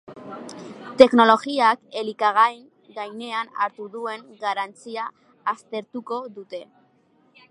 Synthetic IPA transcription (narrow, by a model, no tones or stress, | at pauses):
t̪e̞kno̞lo̞ɣiake̞likaɣajŋ | ɡajne̞ana̰ɾt̪uðue̞ŋɡaɾant͡siaː | st̪e̞ɾt̪uko̞ðut̪e̞